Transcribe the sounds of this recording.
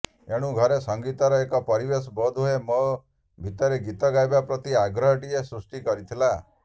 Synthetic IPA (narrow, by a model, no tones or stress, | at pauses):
eɽ̃ũɡʱɔɾesɔŋɡit̪ɔɾɔekɔpɔɾibesɔbɔd̪ʱuɦemo | bʱit̪ɔɾeɡit̪ɔɡajbapɾɔt̪iaɡɾɔɦɔʈiesɾusʈikɔɾit̪ʰila